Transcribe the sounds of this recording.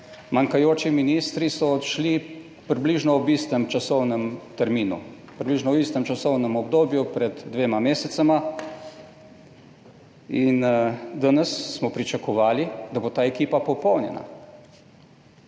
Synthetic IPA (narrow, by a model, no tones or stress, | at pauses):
maŋkajoːt͡ʃiminist̪ɾisɔt̪ʃli | pɾibliʒnɔɔbist̪ɛmt͡ʃasɔwnəmt̪ɛɾmiːnṵ | pɾʲibliːʒnɔwist̪ɛmt͡ʃasɔwnɛmɔbd̪oːbjupɾɛd̪ːʋeːmameːsɛt̪sama | ind̪anəsːmɔpɾit͡ʃakɔʋaːlid̪aboːt̪aːɛkiːpapɔpɔwnjɛ̰na̰